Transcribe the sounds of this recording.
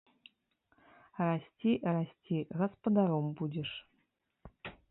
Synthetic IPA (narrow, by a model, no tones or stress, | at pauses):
rasʲtʲirasʲtʲʰiɣɐ̆spə̆d̪aɾombudʲeʂ